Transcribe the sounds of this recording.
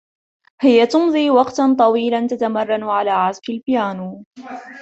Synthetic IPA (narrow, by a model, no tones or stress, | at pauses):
hɪjat̪ʊmðˤiːwɑqt̪ant̪ˤɑwiːlant̪at̪amɑrˤːɑnʕalaːʕazkɪlbɪjaːnuː